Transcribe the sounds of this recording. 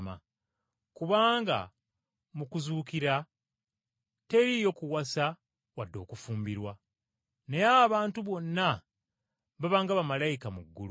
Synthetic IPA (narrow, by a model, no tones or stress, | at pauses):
ma̰ | kuβaːŋɡa̰ | mukuzuːkiɾa | te̞ɾijo̞kuwasa | wadːo̞ːkufuːmbiɾwa | nejaːβaːntuβo̞nːa | βaβaːŋɡaβamalajikamuɡːulu